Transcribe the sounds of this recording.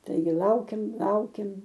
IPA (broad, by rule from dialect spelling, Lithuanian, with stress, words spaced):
ˈtɐɪɡʲɪ ˈlˠɐʊkʲeːm ˈlˠɐʊkʲeːm